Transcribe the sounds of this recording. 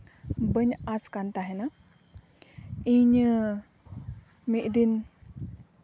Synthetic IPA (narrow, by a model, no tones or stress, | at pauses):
bəɲaskant̪aɦena | iɲə | miʔd̪in